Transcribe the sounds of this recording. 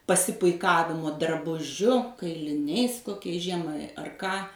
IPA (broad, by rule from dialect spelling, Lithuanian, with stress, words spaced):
pɐsʲɪpʊɪˈkɑːʋʲɪmoː drɐbʊˈʒʲʊ kɐɪlʲɪˈnʲɛɪs koːˈkʲɛɪs ˈʒʲiɛmɐɪ ɐr ˈkɑː